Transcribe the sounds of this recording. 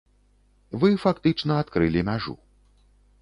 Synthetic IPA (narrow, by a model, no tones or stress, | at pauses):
vɨfakt̪ɨt͡ʂnɐːt̪kɾɨlʲimʲaʐṵ